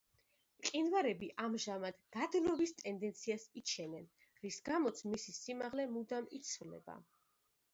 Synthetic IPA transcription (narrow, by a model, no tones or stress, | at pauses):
qʼinvaɾɛbiʔamʒamad̪̥ɡad̪lɔbist̪ʼɛnd̪ɛnt̪sʰiasit͡ʃʰɛnɛn | ɾisɡamɔt̪sʰmisisimaʁlɛmud̪amit̪sʰvlɛ̰ba̰